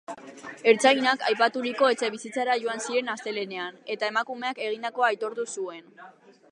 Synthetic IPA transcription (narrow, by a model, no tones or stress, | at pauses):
e̞ɾt͡sainaka̰jpat̪uɾiko̞e̞t͡se̞βisit͡saɾaʝo̞ansie̞nast̪e̞le̞ne̞ane̞t̪ae̞makume̞ake̞ɣ̞ind̪ako̞ajt̪o̞ɾt̪usue̞n